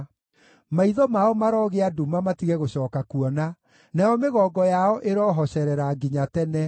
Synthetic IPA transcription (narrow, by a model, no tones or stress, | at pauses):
maiðɔmaɔmaɾɔɣeadumamatiɣɛɣoɕɔːkakuɔna | najɔmeɣɔːɡɔjaɔʔeɾɔːɦɔɕɛɾɛɾaɡiɲatɛnɛ